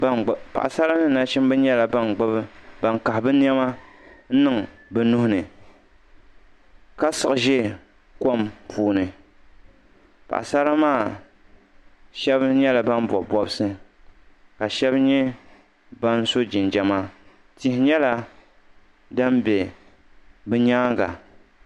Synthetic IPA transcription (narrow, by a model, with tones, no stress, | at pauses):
pa̰˨ʔa˨sa˦ɾa˦nɨ˦na˦ʃɪ˦m˦bɨ˦ɲɛ˦la˨ba˦nɡ͡ba˦bɨ˦ba˨nka˨hbɨ˦n˦ɛ˦ma˦ | n̩˦nɨ˦ŋbɨ˨nu˦hʊ˦nɨ˨ | ka˦sɨ˨ʔɨ˨ʒɛ˦˨ | ko˦˨mpʰuː˦nɨ˨ | pa̰˨ʔsa˦ɾa˦maː˦˨ | ʃɛ˦bɲɛ˦la˨ba˦n˦bɔ˨bɔ˦bɨ˦sɨ˦ | ka˨ʃɛ˦bɲɛ˦ | ba˦n˦so˦d͡ʒɪ˨nd͡ʒɛ˨ma˦ | ti˨˦hɪ˦ɲɛ˦la˦ | da˦mbʲɛ˨ | bɨ˦ɲaː˦ŋɡa̰˨